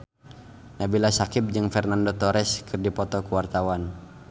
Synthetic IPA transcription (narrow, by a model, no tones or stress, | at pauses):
nabilasakɪp̚d͡ʒɨŋfɛrnandot̪ɔɾɛskʰɨrdipɔt̪ɔkuwart̪awan